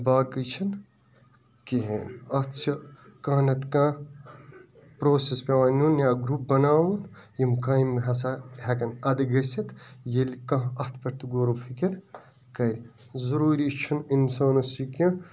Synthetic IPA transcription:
baːkit͡ʃʰɐn | kiɦḛːnɐt̪ʰt͡ʃʰikãːnɐt̪kãː | pɾoːsespʲeʋaːnunjaːɡɾup̚bɐnaːwunjimkaːjimɦɐsaɦɐkɐnɐd̪ɐɡɐsʲɐt̪jelkãːɐt̪ʰpɐɾt̪uɡoːɾoːfʰikʲiɾ | kɐɾʲ | zɐɾuːɾit͡ʃʰuninsaːnɐsikĩ

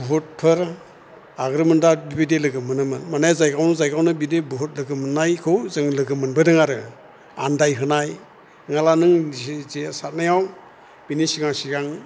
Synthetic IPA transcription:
buɦut̚pʰɯɾ | aɡɾɯmɯndabibidelɯɡɯmɯnɯmɯnmanajazajɡawnɯzajɡawnɯbidebuɦut̚lɯɡɯmɯnːajkʰɯwzɯŋlɯɡɯmɯnbɯdɯŋaɾɯ | andajɦɯnaj | ŋalanɯŋzesat̚najaw | b̥inisiɡaŋsiɡaŋ

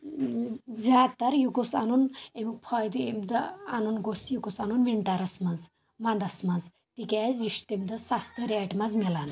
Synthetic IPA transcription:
zaːd̪t̪ːɐɾjuɡosa̰nunemik̚pʰɔjd̪uemd̪ɐanunɡosjuɡosanunʋiɳʈaɾɐsmɐz | mɐnd̪ɐsmɐz | t̪ikʲaːziʃt̪emd̪ɐsast̪əɾɛʈmɐzmelan

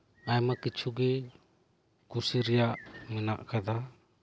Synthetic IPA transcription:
ajmakit͡ʃʰuɡɛ | kusiɾɛjaʔmɛnaʔkad̪a

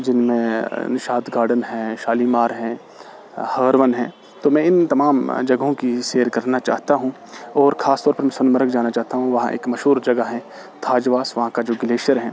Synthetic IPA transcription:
d͡ʒɪnmẽnɪʃaːd̪ɡaːɾɖənɦɛ̃ʃaːlimaːɾɦɛ̃ː | hɐːɾʋənɦɛ̃ː | t̪omɛ̃ɪnt̪ɐmaːmd͡ʒɐɡɦõkiʃeːəɾkɐɾnat͡ʃa̰ːɦt̪aɦũ | ɔːɾxaːst̪ɔːɾpɐɾmɛ̃ːsɐnməɾəkd͡ʒaːnat͡ʃaːɦt̪aɦũʋɐɦãʔḛːkmɐʃɦuːɾd͡ʒɐɡəɦɛ̃ː | t̪ʰaːd͡ʒʋaːsʋɐɦãkad͡ʒoːɡɪleːʃəɾɦɛ̃ː

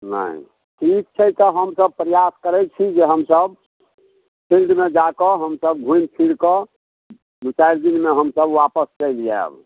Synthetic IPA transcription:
nə̰ḭ | ʈʰik̚t͡ʃʰəjt̪əɦəmsəb̚pɾəjaskəɾɛt͡ʃʰid͡ʒeɦəmsəb | pʰilɖmed͡ʒakɔɦəmsəb̚ɡʱũjnpʰiɽkɔ | mut͡ʃajɾd̪inmeɦəmsəbʋapəst͡ʃəlja̰b

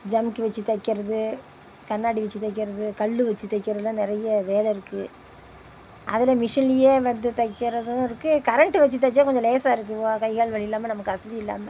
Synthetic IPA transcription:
d͡ʒɐmkːɯʋɐt͡ʃːɯt̪ɐɪkːɪɾɐðɯ | kɐnːaːɽiʋɐt͡ʃːɯt̪ːɐɪkːɪɾɐðɯkɐɭːɯʋɐt͡ʃːɯt̪ːɐɪkːɪɾɐðɯlɐ̃nɪɾɐjɐʋeːlɐɪɾɯkːɯ | ʔɐ̰ðɪlɐmɪʂɐnlɪjeːʋɐnd̪ɯt̪ɐɪkːɪɾɐðɯɪɾɯkːɯkɐɾɐɳʈɯʋɛt͡ʃːɯt̪̬ːɐt͡ʃːaːkɔɲd͡ʒɔ̃leːsaːɪɾɯk̬ːɯʋoːkɐɪɣaːɭʋɐɭɪɪlːaːmɐnɐmɐkːɯɐsɐðiɪlːa̰ːmɐ

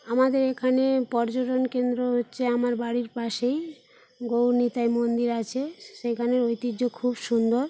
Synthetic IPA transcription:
amad̪eɾekʰanepɔɾd͡ʑoʈonkend̪ɾoɦotːɕʰeamaɾbaɽiɾpaʃej | ɡownit̪ajmond̪iɾat͡ɕʰeʃekʰaneɾojt̪id͡ʑokʰubʃund̪oɾ

